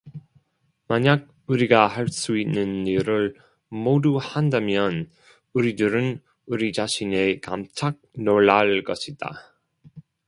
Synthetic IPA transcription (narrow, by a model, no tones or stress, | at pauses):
maɲaɡ̚ | uɾiɡaɦaɭs͈uitnːɯniɾɯɭ | moduhandamjʌn | uɾidɯɾɯn | uɾit͡ɕaɕʰine̞ka̰mt͡ɕʰak̚noɭːaɭk͈ʌɕʰid̥a̰